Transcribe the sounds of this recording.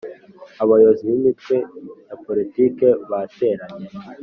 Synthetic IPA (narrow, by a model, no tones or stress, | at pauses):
aβajoziβimitkwenapo̞ɾitiːke̞βate̞ɾaɲe